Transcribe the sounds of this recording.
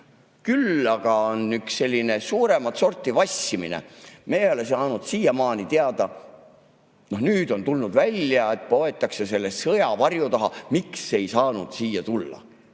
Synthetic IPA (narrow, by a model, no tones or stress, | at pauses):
kylːɑɡ̥ɑonːyksːe̞lʲːine̞suːɾe̞mɑt̪so̞rt̪ːˑivɑsːiminḛmejejolesɑːnud̪̥siːjɑmɑːnit̪eɑd̪ɑ | no̞hnyːd̪̥o̞nt̪ulnud̪̥vælʲjɑe̞t̪̚po̞e̞t̪ːˑɑksese̞lːessɤjɑvɑrjut̪ɑɦɑmiksːeejsɑːnud̪̥siːjɑt̪ulːɑ̰